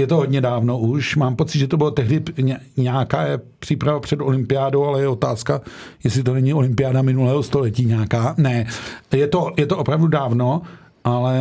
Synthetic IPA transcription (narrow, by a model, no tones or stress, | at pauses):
jɛt̪oɦodɲɛdaːvno̞ʔuʃmaːmpo̞t͡sɪt̪ʒɛt̪obɪlot̪ɛɦdɪɲɲɛːkaːjɛpr̥iːpɾavapr̥ɛd̪o̞lɪmpɪaːdowalɛjɛo̞t̪aːskajɛsɪt̪onɛɲɪo̞lɪmpɪjaːdamɪnulɛːɦost̪o̞lɛciːɲaːkaːnɛjɛt̪o̞jɛt̪oʔopɾavdudaːvno̞ | ʔalɛ